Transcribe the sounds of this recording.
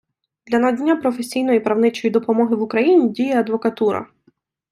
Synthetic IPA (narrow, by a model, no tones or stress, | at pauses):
d̪̥lʲɐnɐdʲnʲːapɾɔfesʲijnɔjipɾɐwnɪt͡ʃɔjid̪ɔpɔmɔɦɪʋukɾɐjinʲidʲijɛɐd̪ʋɔkɐt̪uɾɐ̰